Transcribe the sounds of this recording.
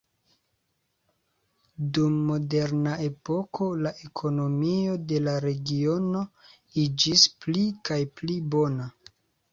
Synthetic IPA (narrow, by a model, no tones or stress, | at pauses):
dumːo̞de̞ɾnaʔe̞po̞kʰo̞laʔekʰo̞no̞mio̞de̞laɾe̞ɡio̞no̞ | id͡ʒisplikajplibo̞na